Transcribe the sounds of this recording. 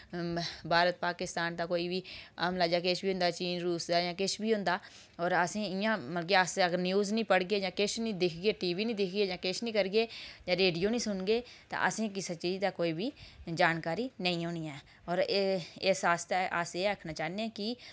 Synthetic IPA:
bʱaːɾət̪̚paːkɪst̪aːnt̪akoːibʱiaːmlaːd͡ʒãːkɪt͡ʃʰbʱiɦʊ̃ːnd̪aːt͡ʃiːnɾuːsd̪aːjãːkɪt͡ʃʰbʱiɦʊ̃nd̪aː | ɔːɾaːsẽɪjãməlk̬easeɐɡəɾnjuːznĩːpəɽɡejãːkɪt͡ʃnĩd̪ɪkʰɡeʈiːʋinĩd̪ɪkʰɡejãːkɪt͡ʃnĩkəɾɡeːjãːɾeːɖijoːnĩːsʊnɡeːt̪a̰ʔə̰sẽk̬isət͡ʃiːd͡ʒt̪akoːibʱid͡ʒaːnkaːɾinəĩɦõːniɛː | ɔːɾeːsaːst̪ʔa̰ːseəkʰnat͡ʃaːneki

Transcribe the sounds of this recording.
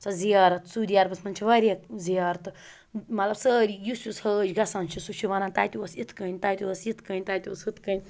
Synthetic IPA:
t͡sɐzijaːɾɐt̪sud̪ijaːɾpɐsmɐnt͡ʃʰiʋɐɾʲakzijaːɾt̪ɨ | mɐt̪lɐbsəːɾijusjushəːd͡ʒɡɐsãːnt͡ʃʰisut͡ʃʰiʋɐnaːnt̪aːjt̪ʲuɐsit̪ʰkənʲt̪aːjt̪ʲuəsit̪ʰkənʲt̪aːt̪ʲuoshɨt̪kənʲ

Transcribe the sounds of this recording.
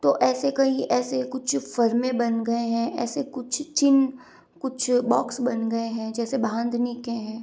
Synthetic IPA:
t̪oːʔɛːsekɐiʔɛːsekʊt͡ʃʰfɐɾmẽbɐnɡɐeɦɛ̃ːʔɛ̰ːsekʊt͡ʃʰt͡ʃɪn | kʊt͡ʃʰbɔːksbɐnɡɐeɦɛ̃ːd͡ʒɛːsebãːnd̪ʱnikeɦɛ̃ː

